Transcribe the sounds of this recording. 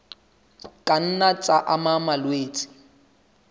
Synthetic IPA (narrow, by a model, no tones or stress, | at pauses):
kʼan̩nat͡sʼaʔamamalweːt͡sʼɪ̥